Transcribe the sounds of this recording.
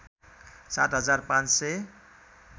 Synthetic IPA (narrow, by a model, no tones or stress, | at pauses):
sat̪ɦʌd͡zarpãnt͡sse